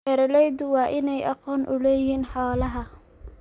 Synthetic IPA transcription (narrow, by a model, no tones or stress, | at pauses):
ɛɾɐlɛjd̪ʊwɑːʔɪnɛjʔɑqɔːnʔʊlɛːjiːnħɑːlɐɦɐ